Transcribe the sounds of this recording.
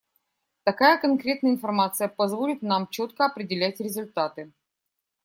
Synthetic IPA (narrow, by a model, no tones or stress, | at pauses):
t̪ɐkajəkɐnkɾʲe̞t̪nəjəɪnfɐrmat̪sɨjəpɐzvo̞lʲɪt̪namt͡ɕot̪kəɐpɾʲɪdʲɪlʲætʲɾʲɪzʊlʲt̪at̪ɨ